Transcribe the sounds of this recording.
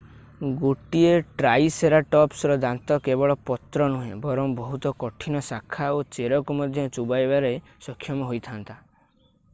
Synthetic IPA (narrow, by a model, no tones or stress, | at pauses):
ɡoʈieʈɾajseɾaʈɔpsɾɔd̪ant̪ɔkebɔɭɔpɔt̪ɾɔnuɦẽbɔɾɔmbɔɦut̪ɔkɔʈʰinɔsakʰaot͡ʃeɾɔkumɔd̪ʱjɔt͡ʃubajbaɾej | sɔkʰːjɔmɔɦojt̪ʰant̪a